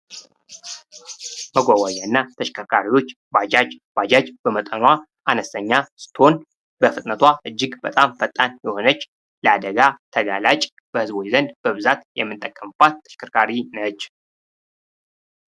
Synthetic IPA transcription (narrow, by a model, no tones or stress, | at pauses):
məɡʷawajaɨnːat̪ʰəʃkʰəɾkʰaɾiwo̞t͡ʃː | bad͡ʒad͡ʒbad͡ʒad͡ʒb̥əmət̪ʼənwa | ʔanəst̪ʰəɲːasɨ̥t̪o̞n | bəfɨt̪ʼnət̪ʰwaʔɨd͡ʒːɪɡbət̪ʼamfət̪ʼːanjɛho̞nət͡ʃː | ləad̪əɡat̪ʰəɡalat͡ʃʼ | b̥əhɨzbo̞t͡ʃzənd̪bəβɨzat̪jɛ̰mːɨnt̪ʼəkʼːəmb̥at̪ʰːə̥ʃkʰəɾkʰaɾinət͡ʃː